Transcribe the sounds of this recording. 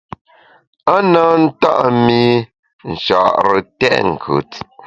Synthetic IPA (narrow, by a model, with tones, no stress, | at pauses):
a˦na˦n̩˦ta̰˦ʔmi˦ | n̩˨t͡ʃa˨ʔɾə˨tɛ̰˦ʔŋ̩˨kʰʉ̰˨t